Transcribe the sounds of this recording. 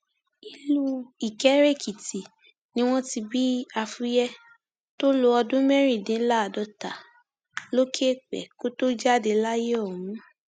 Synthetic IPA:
i˧lu˦i˨kɛ˨˦ɾe˦˨kʰi˨ti˨ | nĩ˦w̃ɔ̃˦ti˧bi˦a˧fu˦jɛ˦ | to˦lo˧ɔ˧dũ˦mɛ˦ɾi˦˨dĩ˨˦la˦a˨dɔ˧ta˨ | lo˦kʰe˦˨k͡pɛ̰˨ko˦to˦d͡ʒa˦˨de˧la˦je˦ɔ˨mũ˨˦

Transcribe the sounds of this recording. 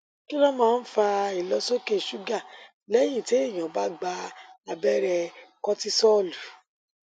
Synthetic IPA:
ki˦lɔ˦mãː˦˧n̩˦fa˧i˨lɔ˧˦so˦ke˦˨ʃu˦ɡa˦˨ | lɛ˦j̃ĩ˦˨te˦i˦˨j̃ã˨ba˦ɡ͡ba˧a˧bɛ˦ɾɛ˧kɔ˦ti˦sɔ˦˨lu˨˦

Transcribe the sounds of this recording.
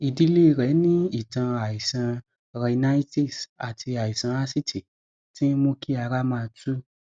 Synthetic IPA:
i˧˨di˦le˦˨ɾɛ˨˦nĩ˦i˦˨tã˧a˨i˨sã˧ | ɾɛ˧nã˦i˦ti˦˨sa˨tʰi˧a˨i˨sã˧a˦si˦tʰi˨ | ti˦mo˦ki˦a˧ɾa˦mãː˦˧tu˦

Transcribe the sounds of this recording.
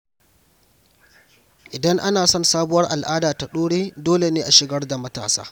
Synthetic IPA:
ʔɪ˨dɐ˦ŋʔa˦naː˨sɔ˦˨nsaː˦bʊ˦wɐ˦rʔa˨lʔaː˦daː˨ta˨ɗoː˦ɽeː˦doː˦le˨neː˦ʔa˨ʃɪ˨ɡɐ˦rda˨mɐ˦ta̰ː˨sa̰ː˦

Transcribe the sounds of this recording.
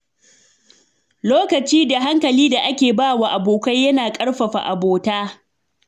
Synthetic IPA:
loː˦kɐ˨t͡ʃiː˦da˨ɦa˦ŋkɐ˨liː˦da˨ʔa˦kʲeː˨baː˦wa˦˨ʔa˨boː˨kʷɐ˦jjɐ˦naː˨kʼɐ˦ɽɸɐ˨ɸa̰˨ʔa̰˨boː˨taː˦

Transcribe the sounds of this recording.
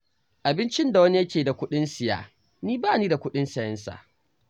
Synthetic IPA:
ʔa˨bɪ˦nt͡ʃɪ˦nda˨wɐ˦ni˦jɐ˦kʲeː˨da˨kʷʊ˦ɗɪ˦nsɪ˨ja̰ː˦˨ | niː˦baː˦˨niː˦da˨kʷʊ˦ɗɪ˦nsɐ˨jɐ˦nsa̰˨ʔ

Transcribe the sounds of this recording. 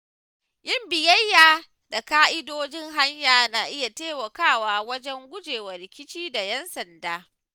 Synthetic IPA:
jɪ˦mbɪ˨jɐ˦jːaː˨ | da˨kaː˦ʔɪ˦doː˦d͡ʒɪ˦ŋɦa˦ɲjaː˨na˨ʔɪ˦ja˨teː˦wɐ˨kaː˦˨waː˦wɐ˦d͡ʒɛ˦ŋɡʷʊ˦d͡ʒeː˨wɐ˨ɾɪ˨kʲɪ˦t͡ʃiː˦da˨jɛ˦nsɐ˨ndaː˦

